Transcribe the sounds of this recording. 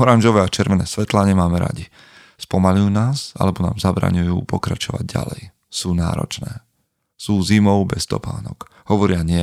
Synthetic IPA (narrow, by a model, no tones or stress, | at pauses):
ɔɾanʒɔʋɛːat͡ʃɛɾʋɛnɛːsʋɛt̪laɲɪɛmaːmɛɾa̰ɟi | spɔmalujuːnaːsa̰lɛbɔna̰ːmzabɾa̰ːɲujṵːpɔkɾat͡ʃɔʋa̰ɟ̚ɟa̰lɛ̰j | suːna̰ːɾɔ̰t͡ʃnɛː | suːzimɔʊbɛst̪ɔ̰paːnɔ̰k | ɦhɔʋɔɾɪaɲɪɛ